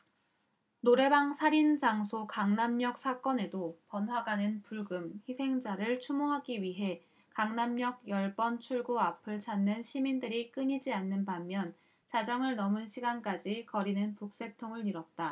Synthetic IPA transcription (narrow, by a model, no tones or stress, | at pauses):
noɾe̞baŋsʰaɾind͡ʑaŋsʰokaŋnamɲʌk̚s͈ʰak͈ʌne̞dopʌnɦwaɡanɯnpuɭɡɯmçisʰe̞ŋd͡ʑaɾɯɭt͡ɕʰumoɦaɡiɥiɦe̞ | kaŋnamɲʌɡ̚jʌɭbʌnt͡ɕʰuɭɡuapʰɯɭt͡ɕʰanːɯnɕʰimindɯɾik͈ɯɲid͡ʑianːɯnpamːjʌn | t͡ɕad͡ʑʌŋɯɭnʌmɯnɕʰiɡank͈ad͡ʑikʌɾinɯnpuk̚s͈e̞tʰoŋɯɭiɾʌt̚t͈a